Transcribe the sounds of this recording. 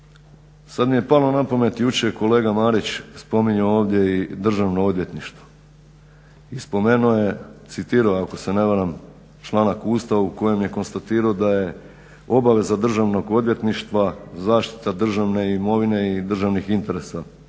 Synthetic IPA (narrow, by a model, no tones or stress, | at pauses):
sad̪mije̞palonapome̞t̪jut͡ʃeko̞le̞ːɡamaːɾit͡ɕspo̞miɲooːʋd̪je̞id̪r̩ʒaʋno̞o̞d̪ʋje̞t̪niʃt̪ʋo̥ | ispo̞me̞nuje̞t̪sit̪iːɾaako̞se̞neʋaɾam | t͡ʃlˠaːnakuːst̪auko̞je̞mje̞ko̞nst̪at̪iːɾaod̪aje̞ | o̞baʋe̞zad̪r̩ʒaʋno̞ɡo̞d̪ʋje̞t̪niʃt̪ʋazaːʃt̪i̥t̪ad̪r̩ʒaʋne̞imo̞ʋine̞id̪r̩ʒaʋnixint̪e̞ɾe̞sa